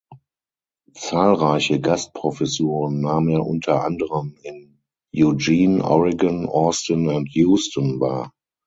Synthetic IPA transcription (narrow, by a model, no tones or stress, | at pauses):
t͡saːlʁaɪçəɡast̚pʁ̥ofɛsuːʁənːaːməneːɐʔʊntʰɐʔa̰ndəʁəmɪn | jud͡ʒiːnʔɔ̰ʁɪɡənʔɔɐstənʊntʰjuːstənva̰ːɐ